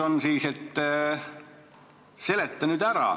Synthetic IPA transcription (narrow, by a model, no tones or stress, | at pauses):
onsiːset̪ː | se̞let̪ːɑnyːd̪æɾɑ̰